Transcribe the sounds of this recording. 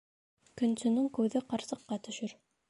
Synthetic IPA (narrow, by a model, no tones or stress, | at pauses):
kɵ̆nsɵ̆nɘŋkʉðɘqɑɾsɤ̆qːɑt̪ɵ̆ʃɘɾ